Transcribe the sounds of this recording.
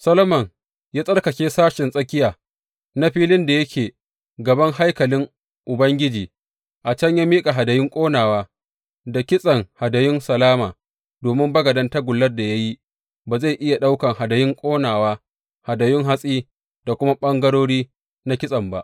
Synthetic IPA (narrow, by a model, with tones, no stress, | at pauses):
sɐ˦lɐ˦mɐ˨ŋ | jaː˦sʼɐ˦rkɐ˨kʲeː˦saː˦ʃɪ˨nsʼɐ˦kʲɪ˦jaː˨ | na˦ɸiː˦lɪ˦nda˨jɐ˦kʲʰeː˨ | ɡɐ˨bɐ˦ŋha˦jkɐ˨lɪ˦ŋ | ʔʊ˨bɐ˦ŋɡʲɪ˦d͡ʒiː˨ | ʔa˨t͡ʃɐ˦ɲja˦miː˦kʼa˨ɦa˨dɐ˨jɪ˦ŋkʷʼoː˦naː˨waː˦ | da˨kʲɪ˦sʼɐ˨ŋha˨dɐ˨jɪ˦nsɐ˨laː˦maː˨ | doː˨mɪ˦mbɐ˦ɡɐ˨dɐ˦nta˦ɡʷʊ˨lːɐ˦rda˨ja˦ji˦ | baː˨za˦˨jʔɪ˦ja˨ɗa˦wkɐ˨ŋha˨dɐ˨jɪ˦ŋkʷʼoː˦naː˨waː˦ | ha˨dɐ˨jɪ˦ŋɦa˦sʼiː˦ | d̥a˨kʷʊ˦ma˦ɓɐ˦ŋɡɐ˦ɽoː˦ɽiː˦ | na˦kʲɪ˦sʼɐ˨mba̰˦ʔ